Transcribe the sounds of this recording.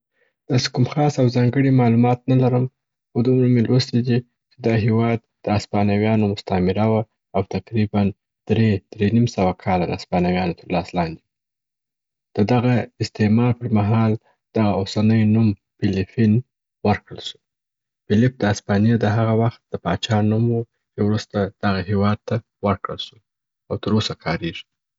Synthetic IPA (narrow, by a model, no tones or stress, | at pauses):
d̪̥ɑse̥kumxɑsawzɑŋɡəɽimɑlumɑt̪̚nalaɾəm | xod̪umɾəmelwəsid̪i | t͡ʃed̪ɑɦewɑd̪̚d̪̥əaspɑnawjɑnomʊst̪amɪɾawa | awt̪aqɾiban | d̪̥ɾed̪̥ɾenimsawakʰɑlad̪əaspɑnawjɑnot̪əɾlɑslɑnd̪i | d̪̥əd̪aɣaɪst̪emɑɾpəɾmaɦɑl | d̪̥aɣaosanəjnum | fɪlɪfin | wəɾkɽəlʃu̥ | fɪlɪp̚d̪əaspɑnjad̪əɦaɣawaxt̪̚d̪̥əpɑt͡ʃɑnumwu | t͡ʃewɾust̪ad̪̥aɣahewɑd̪̚t̪a | wəɾkɽəlʃu | awt̪əɾosakʰɑɾeʐi̥